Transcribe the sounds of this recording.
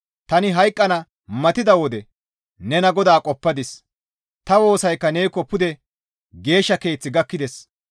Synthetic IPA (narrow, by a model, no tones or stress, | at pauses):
t̪ɐnɪɦɐjkʼːɐnɐ | mɐt̪ɪd̪ɐwɔd̪ɛ | nɛnɐɡɔd̪aːkʼɔpːɐd̪ɪs | t̪ɐwo̞ːsɐjkːɐne̞ːkːɔpʊd̪ɛ | ɡe̞ːʃːɐke̞ːt͡sːɪɡɐkːɪd̪ɛs